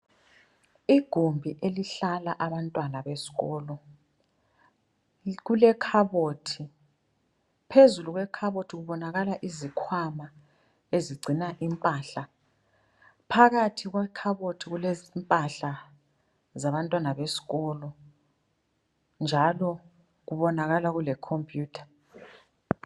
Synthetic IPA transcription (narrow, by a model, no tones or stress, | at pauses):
iɡ̥ʱumbʱiʔeliɬalaʔaβantʼwanaβesi̥ɣɔːlɔ | ɣulɛkʰaβotʰi | pʰezuluɣwɛkʰaβotʰiɣuβɔnaɣalaʔizikʰwama | eziɡ͡ǀʱinaʔimpʼaɬa | pʰaɣatʰiɣ̬wɛkʰaβotʰiɣulezimpʼaɬa | zaβantʼwanaβesi̥ɣɔːlɔ | nd͡ʒʱalɔ | ɣuβɔnaɣalaɣulɛkʰompʼjuːtʰḁ